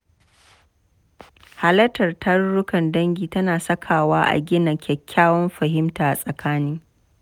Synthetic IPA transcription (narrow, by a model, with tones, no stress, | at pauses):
ha˨lɐ˦tɐ˨rtʰɐ˦rːʊ˦kɐ˨ndɐ˦ŋɡʲiː˨tɐ˦naː˨sɐ˦kʰaː˨waː˦ʔa̰˨ɡʲɪ˦nɐ˨kʲɛ˨kʲːaː˦wɔ˦mɸɐ˨ɦɪ˦mtaː˨ʔa˨sʼɐ˨kʰaː˦nɪ˦ŋ